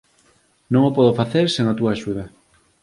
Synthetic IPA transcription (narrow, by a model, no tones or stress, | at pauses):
nõŋopɔðofaθeɾseŋat̪uaːʃuð̞ɐ